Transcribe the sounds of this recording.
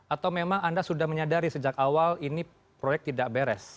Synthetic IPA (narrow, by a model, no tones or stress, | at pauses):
ʔat̪awmemaŋandasudahməɲadaɾisəd͡ʒakawalini | pɾojɛk̚t̪idaʔbeɾɛs